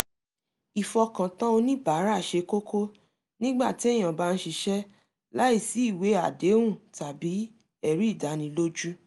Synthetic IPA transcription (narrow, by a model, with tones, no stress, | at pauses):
i˨fɔ˧kã˨tã˦o˧nĩ˦ba˨˦ɾa˦˨ʃe˧ko˦kʰo˦ | nĩ˦ɡ͡ba˦˨ti˨˦ɛ˦˨j̃ã˨ba˦˧n̩˦ʃi˧ʃɛ˦ | la˦i˦˨si˨˦i˦˨we˨˦a˦˨de˨˦wũ˦˨ta˨bi˨˦ | ɛ˦˨ɾi˨˦˨da˨˦nĩ˨˦lo˦d͡ʒu˦